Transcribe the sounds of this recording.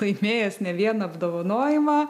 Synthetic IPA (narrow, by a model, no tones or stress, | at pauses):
ɐɪmʲeːjɛsnʲɛʋʲiɛnɐɐbd̪oːʋɐnoːjɪmɐ